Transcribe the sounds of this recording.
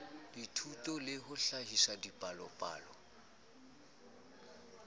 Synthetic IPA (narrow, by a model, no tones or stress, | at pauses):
ditʰutʼɔlɪhʊɬahisadipʼalɔpʼa̰ːlɔ